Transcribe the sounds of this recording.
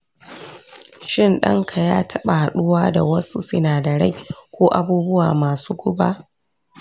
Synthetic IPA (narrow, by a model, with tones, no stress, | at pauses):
ʃɪ˦nɗɐ̰˦ŋkʰa˨jaː˦tʰɐ˦ɓa˨ha˨ɗʊ˦waː˦da˨wɐ˦su˦sɪ˦naː˨dɐ˨ɽa̰˦˨jkʷoː˦ʔa˦buː˦bʊ˦waː˨maː˨suː˦ɡʷʊ˦baː˦ʔ